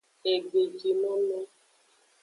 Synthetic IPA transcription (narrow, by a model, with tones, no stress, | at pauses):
e˨ɡ͡be˨d͡ʒi˨nɔ̃˦mɛ˦